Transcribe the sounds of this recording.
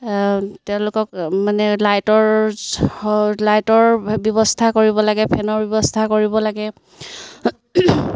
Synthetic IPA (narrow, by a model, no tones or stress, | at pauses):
tɛʊ̃lʊkɔkmanɛlajtɔɹ | lajtɔɹbjɔbɔstʰakoɹibɔlaɡɛpʰɛnɔɹbɔbɔstʰakoɹibɔlaɡɛ